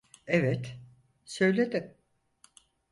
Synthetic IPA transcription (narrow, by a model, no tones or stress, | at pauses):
evɛt̪ | sø̞jlʲed̪ɪm